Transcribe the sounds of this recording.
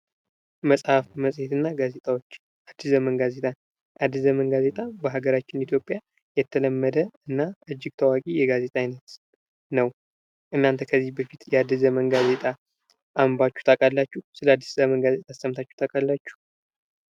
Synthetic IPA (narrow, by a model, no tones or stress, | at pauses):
məsʼhafməsʼhe̞t̪ɨnːaɡaze̞t̪ʼawot͡ʃː | ad̪ːiszəmənɡaze̞t̪ʼan | ʔad̪ːɨzəmənɡaze̞t̪ʼabəɦaɡəɾat͡ʃːɪnit̪ʰjo̞pʼːja | jɛt̪ʰːələmːəd̪əɨnːaʔɨd͡ʒːɪɡ̚t̪ʰəwakʼijɛɡaze̞t̪ʼajɪnət̪ | nəw | ʔɨnːant̪ʰəkʰəzːibəfit̪jɛad̪ːɨzəmənɡaze̞t̪ʼa | ʔambat͡ʃːu̥t̪ʰʼakʼalːat͡ʃːuhsɨləad̪ːi̥szəmənɡaze̞t̪ʼast̪ʰːəmt̪ʰat͡ʃːu̥t̪ʰʼakʼalːat͡ʃːu̥